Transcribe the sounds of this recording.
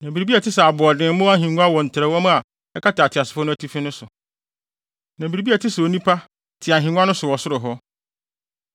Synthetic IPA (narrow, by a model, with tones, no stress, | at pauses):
nã˨bi˨ɾi˨bi˦a˨tʰɪ˦sɛ˨a˨bʊ˨ɔ˨dɪ̃˨˦mʊ̃˦a˦ɦĩ˨ŋʊ̃˦a˦wɔ˨n̩˨tʰɪ˨ɾɛ˦wɔ˦mã˦a˨ | ɛ˦kʰa˦tʰɪ˨a˨tʰɪ˨a˨sɪ˨fɔ˦nʊ̃˦æ˦tʰi˦fɪ̃˦nʊ̃˦sʊ˨ | nã˨bi˨ɾi˦bi˦æ˨tʰɪ˦sɛ˨o˨nĩ˦pʰa˦ | tʰɪ˨a˨ɦĩ˨ŋʊ̃˦a˦nʊ̃˦sʊ˨wɔ˨sʊ˦ɾʊ˨ɦɔ˦